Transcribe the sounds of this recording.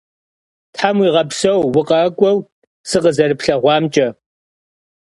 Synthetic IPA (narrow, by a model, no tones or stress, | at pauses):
tʰħamwiːʁɐpsɐwːʊqʼɐkʷʼɔw | sɨqəzɐɾɨpɬɐʁʷɑːmt͡ʃʼɐ